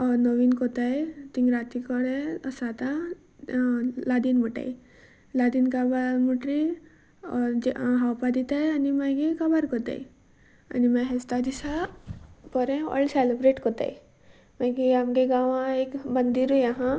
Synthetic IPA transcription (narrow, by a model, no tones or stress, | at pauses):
ɔnoʋinkot̪aet̪iŋɡɾat̪ikɔɽesat̪ã | lad̪inmuʈa̰i | lad̪inkabamuʈɾi | ɔɦawpad̪it̪ajanimaɡikɐbaɾkot̪a̰ḭ | a̰nimãɦest̪ad̪isa | pɔɾẽɔ̰lseləbɾeːʈkot̪a̰j | mãɡiamɡeɡaʋãekbənd̪iɾujaɦã